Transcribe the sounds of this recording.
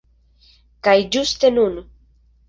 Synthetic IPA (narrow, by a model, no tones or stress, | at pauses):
kajd͡ʒust̪enun